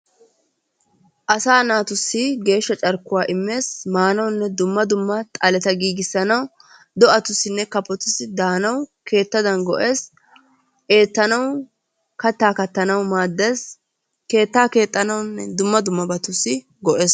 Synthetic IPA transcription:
ʔɐsaːnaːt̪ʊsːɪɡe̞ːʃːɐt͡ʃʼɐɾkːʊwaːʔɪmːe̞ːsmaːnɐwnːɛd̪ʊmːɐd̪ʊmːɐt̪ʼɐlɛt̪ɐɡiːɡɪsːɐnɐw | d̪ɔʔɐt̪ʊsːɪnːɛkɐpːɔt̪ʊsːɪd̪aːnɐwke̞ːt̪ːɐd̪ɐnɡɔʔe̞ːs | ʔe̞ːt̪ːɐnɐw | kɐt̪ːaːkɐt̪ːɐnɐwmaːd̪ːeːs | ke̞ːt̪ːaːke̞ːt̪ʼːɐnɐwnːɛd̪ʊmːɐd̪ʊmːɐbɐt̪ʊsːɪ | ɡɔʔeːs

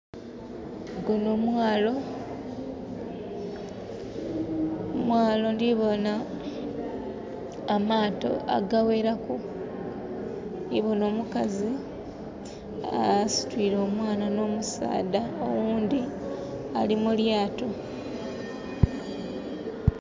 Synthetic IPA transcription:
ɡunomwaːlo̞ | mwaːlo̞ndiβona | maːto̞̰ʔa̰ɡawe̞ɾaku | iβo̞no̞ːmukazi | asi̥twiːɾoːmwaːnano̞ːmusa̰ːdao̰wuːnd̪i | alimuljaːto̞

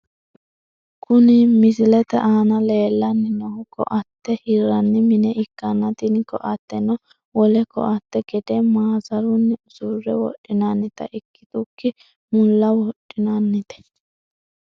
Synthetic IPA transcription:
kʊnɪmɪsɪlɛt̪ɛʔaːnɐleːlːɐnːɪnɔhʊkɔ̰ʔɐt̪ːɛhɪɾːɐnːɪmɪnɛʔɪkːɐnɐt̪ɪnkɔ̰ʔɐt̪ːɛnɔ | wɔlɛkɔ̰ʔɐt̪ːɛɡɛd̪ɛmaːzɐɾʊnːɪʊsuɾɛwɔ̰ʔːɪnanːɪt̪ɐ̰ʔɪkːɪ̥t̪ʊkːɪ | mʊlːɐwɔɗɪnɐnːɪt̪ɛ̥

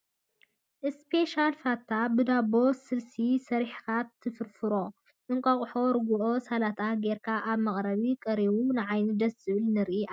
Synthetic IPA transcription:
ʔɨspʰe̞ʃalfat̪ʰabɨd̪abo̞sɨlsisɐɾħkat̪ʰːɨfɨɾfɨɾo̞ | ʔɨŋkʼɐχʼħoɾɨɡuʔosalat̪ʰaɡeɾkʰaʔaβmɐχʼɾɐβikʼɐɾiβunɨʕajnɨd̪ɐsɨβɨlnɨɾʔiʔa

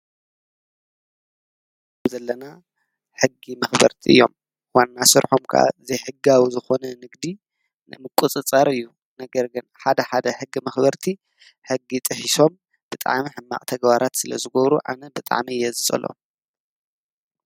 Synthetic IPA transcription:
bzɐlːɐna | ħɨɡːimɐxbɐ̰ɾt̪ʰiɨ̰jːo̞̰m | wanːasɨɾħomkʰa̰ʔa̰zɐjħɨɡːawizɨxo̞nɐnɨɡd̪i | nɨmɨkʼːut͡sʼɨt͡sʼɐɾɨjːu | nɐɡɐɾɡɨnħad̪ɐħad̪ɐħɨɡːimɐxbɐɾt̪ʰi | ħɨɡːit̪ʼɨħiso̞m | b̥ɨt̪ʼa̰ʕmiħɨmːa̰ʔʼt̪ʰɐɡbaɾat̪sɨlɐ̰zɨɡoβɾuʔa̰nɐbɨt̪ʼa̰ʕmijɛzɨt͡sʼɐ̰lo̰

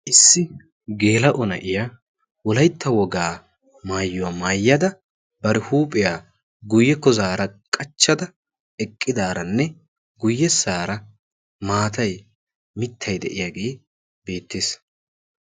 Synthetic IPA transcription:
ʔɪsːɪ | ɡe̞ːlɐʔɔnɐ̰ʔɪja | wɔlɐjt̪ʰːɐwɔɡaː | maːjːʊwamaːjːɐd̪ɐ | bɐɾɛhuːpʼɪjaː | ɡʊjːɛkɔzaːɾɐkʼɐt͡ʃːɐd̪ɐ | ɛkʼːɪd̪aːɾɐnːɛ | ɡʊjːɛsaːɾɐ | maːt̪ɐj | mɪt̪ʰːɐjd̪ɛ̰ʔɪjaɡeː | be̞ːt̪ːeːs

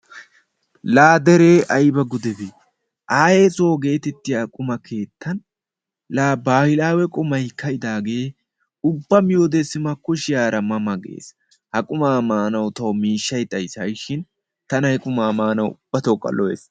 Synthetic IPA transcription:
laːd̪ɛɾeːʔɐjbɐɡʊd̪ɛbe | ʔaːjeːt͡sʼoːɡe̞ːt̪ɛt̪ːɪjakʼʊmɐkʰe̞ːt̪ːɐn | laːbaːhɪlaːwɛkʼʊmɐjkːɐjɪd̪aːɡe̞ː | ʊbːɐmɪjoːd̪ɛsːɪmɐkːʊʃɪjaːɾɐmɐmɐɡḛːs | hɐkʼʊmaːmaːnɐwt̪ɐwmiːʃːɐjt̪ʼɐjsɐjʃɪn | t̪ɐnɐhɛkʼʊmaːmaːnɐwʊb̥ːɐt̪oːkʼːɐ̰lɔwḛːs

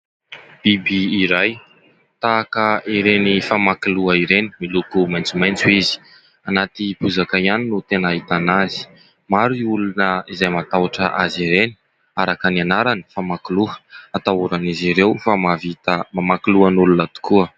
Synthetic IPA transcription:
b̥ibiiɾaj | t̪aːkəʔiɾenifamakiluaiɾeni̥milukumajnt͡sumajnt͡suizi̥ | anat̪ipuzakaianinut̪enaɦit̪anazi̥ | maɾuiulunəizajmat̪aaʈ͡ʂə̰ʔaziɾeni̥ | aɾakanianaɾani̥famakuluə̥at̪auɾaniziɾewfamavit̪əmamakiluanulunət̪u̥kuə

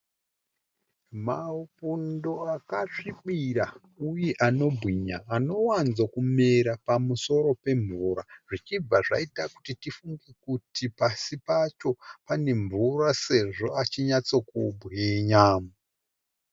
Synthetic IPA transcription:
maupundo̞akaʂiɓiɾa | ujeʔano̞bʱwiɲaːno̞wanzokume̞ɾapamuso̞ɾo̞pe̞ɱvuɾaʐit͡ʃib͡vaʐa̰itakutitifuŋɡekutipasipat͡ʃo̞pane̞ɱvurase̞ʐo̞at͡ʃiɲat͡sokubʱweɲaːmu

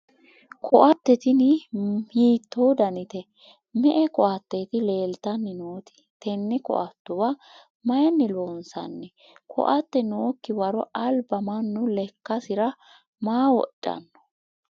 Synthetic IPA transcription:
kʰɔʔɐt̪ːɛt̪ɪnɪhiːt̪ːowd̪ɐnɪt̪ɛ | mɛʔɛkɔʔɐt̪ːet̪ɪle̞ːlt̪ɐnːɪnoːt̪ɪ̥ | t̪ɛnːɛkɔ̰ʔɐt̪ːʊwɐ | mɐjɐnːɪloːnsɐ̰nːɛ | kʰɔ̰ʔɐt̪ːɛnoːkːɪwɐɾɔʔɐlbɐmɐnːʊlɛkːɐsɪɾɐ | maːwɔ̰ɗʼːɐ̰nːɔ̥

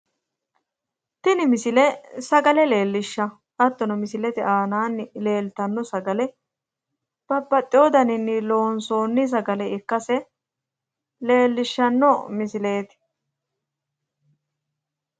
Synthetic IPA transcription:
t̪ɪnɪmɪsɪlɛsɐɡɐlɛle̞ːlːɪʃːɐ | ʔɐt̪ːɔnɔmɪsɪlɛt̪ɪʔaːnaːnːɪle̞ːlt̪ɐnːɔsɐɡɐlɛ | b̥ɐbːɐt̪ʼːɪjoːd̪ɐnɪnːɪlo̞ːnso̞ːnːɪs̬ɐɡɐlɛɪkːɐsɛ | le̞ːlːɪʃːɐnːɔmɪsɪle̞ːt̪ɪ̥

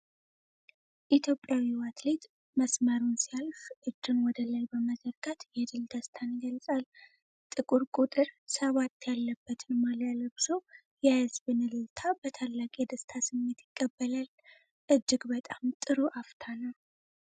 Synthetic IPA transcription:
ʔit̪ʰjo̞pʼjawiwat̪le̞t̪ | məsməɾunsijalʃʔɨd͡ʒːɨnwɔd̪əlajbəməzəɾɡat̪jɛd̪ɨld̪əst̪ʰanɡəlsʼal | t̪ʼɨkʼuɾkʼut̪ʼɨɾsəβat̪ːjalːəbːət̪ʰɨnmaljaləbso | jajəzbɨnɨlɨt̪ʰabət̪ʰalːakʼijɛd̪əst̪ʰasɨmːe̞t̪jɪkʼːəbːəlal | ʔɨd͡ʒːɨɡbət̪ʼamt̪ʼɨɾuʔaft̪ʰanəw

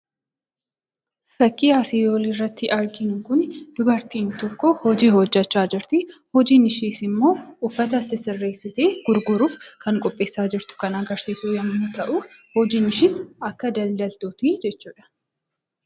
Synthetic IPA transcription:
fɐkːiːaːsiːjoːlɪrːɐt̪ːɪʔɐɾɡɪnʊkʊnd̪̥ʊbɐɾt̪iːnt̪ɔkːɔhɔd͡ʒiːhɔd͡ʒːɐt͡ʃːaːd͡ʒɪɾt̪ɪhɔd͡ʒiːnɪʃiːsɪmːo̞ːʊfːɐt̪̬ɐsɪsɪrːe̞ːsːɪt̪eːɡ̥ʊɾɡʊɾuːfkɐŋkʼɔpʼːe̞ːsːaːd͡ʒɪɾt̪ʊ̥kɐnɐɡɐɾsiːsuːjɐnnʊt̪ɐʔʊhɔd͡ʒiːnɪʃɪsɐkːɐd̪ɐld̪ɐlt̪uːt̪id͡ʒɛt͡ʃːuːᶑɐ̥

